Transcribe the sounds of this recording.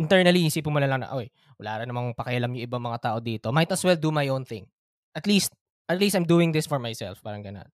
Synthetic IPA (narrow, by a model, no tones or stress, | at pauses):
ʔɪnt̪ɛɹnɐlihisipʊmʊlalɐŋnɐ̰ʔoʔɛ | wɐlaːɾɐnɐmaŋŋpɐkɪʔɐlamjʊ̃ŋʔɪbaŋmɐŋat̪aːʔo̞d̪iːt̪o̞maɪt̪ɐswɛld̪umajʔownθɪ̰̃ŋ | ʔɐt̪list̪̚ | ʔɐt̪list̪ajmd̪uːɪ̃ŋd̪ɪsfɔɹmajsɛ̰lfpaːɾɐŋɡɐno̰n